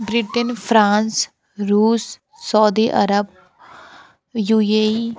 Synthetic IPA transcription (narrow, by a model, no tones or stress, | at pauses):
bɾɪʈənpʰɾãːns | ɾuːsː | ɔːd̪iːʔɐ̰ɾəb̚ | juːe